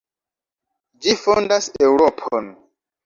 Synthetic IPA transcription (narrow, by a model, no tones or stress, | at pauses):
d͡ʒifondasewɾopʰo̰n